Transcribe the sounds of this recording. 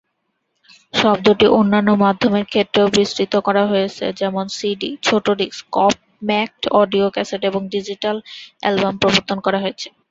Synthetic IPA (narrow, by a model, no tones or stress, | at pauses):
ʃɔbd̪oʈiʔonːanːomad̪ʱːomeɾkʰet̪ːɾeobɾisʈɾit̪okɔɾaɦojet͡ɕʰḛd͡ʑɛmonsiɖit͡ɕʰoʈoɖiskɔp̚ | mɛk̚ʈɔɖiokɛseʈeboŋɖid͡ʑiʈalɛ̰lbampɾoboɾt̪ʰːonkɔɾaɦojet͡ɕʰe̥